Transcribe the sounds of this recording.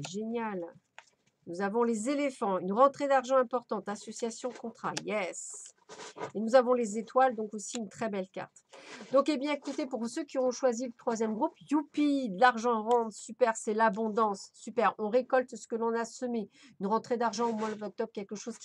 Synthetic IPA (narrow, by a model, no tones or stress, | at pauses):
ɛʒenjal | nuzavɔ̃lezelefɑ̃ynʁɑ̃t̪χed̪aʁʒɑ̃ɛ̃pɔʁt̪ɑ̃t̪asɔsjasjɔ̃kɔ̃t̪χa̰jɛs | enuzavɔ̃lezet̪wald̪ɔ̃kosiynt̪χɛbɛlkʲa̰ʁt̪d̪ɔ̃kebjɛ̃ekut̪epuʁsøkʲiɔ̃ʃwazilət̪χwazjɛmɡʁupjupid̪laʁʒɑ̃ʁɑ̃d̪ʁsypɛʁsɛlabɔ̃d̪ɑ̃sːypɛʁɔ̃ʁekɔlt̪sə̥kəlɔ̃nasɔme | ynʁɑ̃t̪χed̪aʁʒɑ̃omwad̪ɔk̚t̪ɔbʁkʲɛlkəʃozkʲ